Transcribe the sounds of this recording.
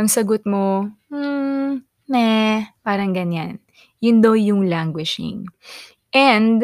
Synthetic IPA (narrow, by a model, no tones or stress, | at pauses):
ʔɐŋsɐɡot̪̚mo | nɛpaːɾɐŋɡɐɲːan | jʊnd̪owjʊŋlaŋɡwɪʃɪ̰ŋ | ʔɛnd̪